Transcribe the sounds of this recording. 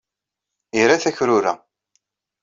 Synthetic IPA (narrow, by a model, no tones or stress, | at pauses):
iɾaθæçɾʊɾæ̰